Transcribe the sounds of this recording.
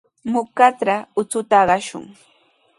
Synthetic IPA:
mʊkat͡sɾaʊt͡sʊt̪aɢɑʃʊ̰ŋ

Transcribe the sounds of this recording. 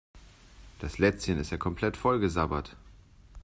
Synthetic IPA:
d̥aslɛt͡sçənɪsteːɐkʰɔmpʰl̥ɛtfɔlɡəzabɐt

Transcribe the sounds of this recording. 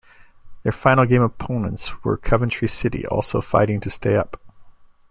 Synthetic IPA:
ðə˞fãɪ̃nl̩ˠɡẽɪ̃məpʰõʊ̃nə̰̃ntswə̰˞kʰʌvɨ̃nt͡ʃɹ̥isɪɾḭʔɔ̰lˠsoʊfa̰ɪɾɪ̃ŋtʰɨsteɪʌp

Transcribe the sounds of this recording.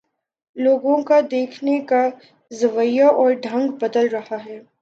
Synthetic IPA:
loːɡõkad̪eːkʰneka | zɐʋəjaʔɔːɾɖʱɐ̃ŋɡbɐd̪əlɾɐɦaɦɛː

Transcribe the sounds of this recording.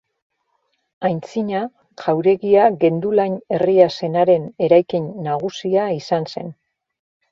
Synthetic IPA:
ajnt͡siɲa | ʝawɾe̞ɣiaɣe̞nd̪ulaɲe̞riase̞naɾe̞ne̞ɾajkiɲːaɣ̞usiaisanse̞̰n

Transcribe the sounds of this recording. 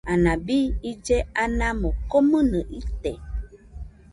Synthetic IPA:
anãbiid͡ʒɛanãmokɔmənəʔit̪ɛ

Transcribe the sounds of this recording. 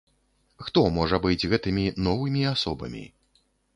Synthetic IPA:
xt̪ɔmɔʐɐbɨd͡zʲɣɛt̪ɨmʲinɔvɨmʲiasɔbɐ̰mʲḭ

